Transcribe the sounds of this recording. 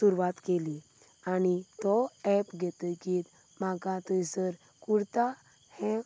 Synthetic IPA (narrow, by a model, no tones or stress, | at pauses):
suɾʋat̪keli | añit̪ɔɛpɡʱɛt̪əkiːt̪ | maɡãt̪əjsəɾ | kuɽt̪a | hɛ̃